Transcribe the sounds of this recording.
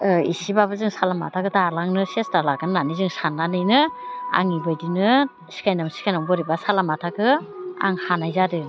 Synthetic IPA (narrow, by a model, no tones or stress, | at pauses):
isibabɯzɯŋsalama̰tʰakɯtʰalaŋnɯsestalaɡɯnːanizɯŋsanːanɯjnɯa̰ŋibɯjdinɯ | si̥kʰajnamsi̥kʰajnɔŋbɔɾibasalamatʰakɯa̰ŋhanajzadɯ